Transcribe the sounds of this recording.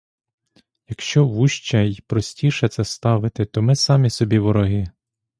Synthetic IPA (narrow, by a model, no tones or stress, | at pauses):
jɐkʃt͡ʃɔʋuʃt͡ʃɐjpɾɔsʲtʲiʃɛt̪sɛst̪ɑʋɪt̪ɪt̪ɔmɪsɑmʲisɔbʲiʋɔɾɔɦɪ